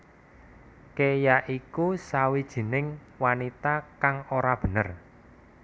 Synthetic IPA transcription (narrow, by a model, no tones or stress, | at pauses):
kejaʔikusawid̥ʒ̥i̤nɪŋ | wanit̪akaŋoɾab̥ə̤nər